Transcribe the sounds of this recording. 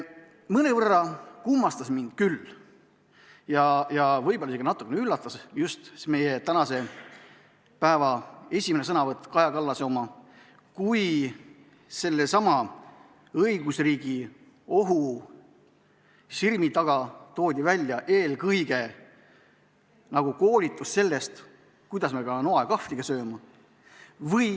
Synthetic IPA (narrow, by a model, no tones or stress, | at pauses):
mɤnevɤrːɑkumːɑst̪ɑsmind̪̥kylː | jɑjɑvɤjb̥oliseɡ̥ɑnɑt̪ːˑukːˑeneylːɑt̪ːˑɑsjust̪me̞jet̪ænɑse̞ | pæevɑe̞sʲimenesɤnɑvɤt̪ːˑkɑjɑkɑlːɑso̞mɑ | kuj | se̞lːe̞sɑmɑ | ɤjɡ̥usriːɡi | oɦu | sirmit̪ɑɡ̥ɑt̪o̞ːd̪ʲivælʲːjɑʔe̞ːlkɤjɡe̞ | nɑɡ̥uko̞ːlit̪ːˑusse̞lːe̞st̪ | kujd̪ɑsmekɑnoɑjkɑfliɡ̥ɑsø̞ːmɑ | vɤj